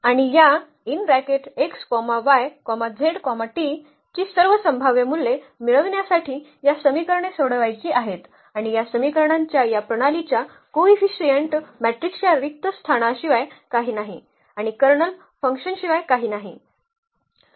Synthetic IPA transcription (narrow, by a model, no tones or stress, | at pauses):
aɽ̃ija | inɾækeʈekskɔmaʋajkɔmad͡zʱeɽkɔmaʈi | t͡ɕiːsəɾʋəsəmbʱaʋjemulːe | miɭəʋɳjasaʈʰiːjasəmikəɾɳesoɽʋajt͡ɕiːaɦet̪ | aɽ̃ijasəmikəɾɳãɲt͡ɕjajapɾəɽ̃alit͡ɕja | koʋifisiəɳʈmæʈɾikt͡ɕjaɾik̚t̪əst̪ʰaɽ̃aɕiʋajkaɦiːnaɦi | aɽ̃ikəɾɳəl | fəŋkɕənɕiʋajkaɦiːnaɦi